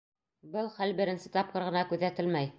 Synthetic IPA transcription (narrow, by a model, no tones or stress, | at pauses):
bɤlˠχælbɘ̆ɾɘ̆nsɘt̪ɑp̚qɤ̆ɾʁɤ̆nɑkʉðæt̪ɘlmæj